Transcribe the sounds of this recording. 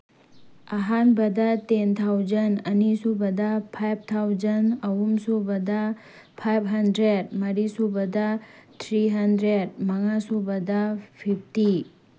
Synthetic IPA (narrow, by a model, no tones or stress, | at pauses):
ɐɦanbɐdɐtent̪ʰawzɐnɐnisubɐdɐpʰajp̚ʰt̪ʰawd͡ʒɐnɐɦumsubɐdɐ | pʰajbʰɦɐndɾed̚mɐɾisubɐdɐt̪ʰɾiɦɐndɾed̚mɐŋasubɐdɐpʰip̚ʰti